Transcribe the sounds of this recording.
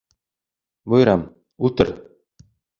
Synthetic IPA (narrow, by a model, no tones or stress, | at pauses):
bŏjɾɑm | ʉlˠt̪ɤɾ